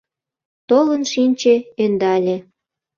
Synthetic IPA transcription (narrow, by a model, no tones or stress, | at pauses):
t̪olənʃinʲt͡ɕeend̪ɑlʲe